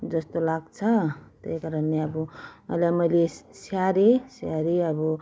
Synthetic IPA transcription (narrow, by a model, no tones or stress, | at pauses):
d͡zʌst̪olaɡt͡sʰʌt̪ḛjkaɾʌneʌbuʌjlamʌjlesaɾesaɾeʌbu